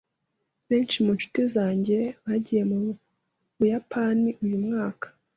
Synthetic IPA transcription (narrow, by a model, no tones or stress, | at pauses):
βe̞ːnt͡ʃimunʃu̥tezaːɲɟeβaɟije̞mu | βujapʰaniʔujumŋaːkḁ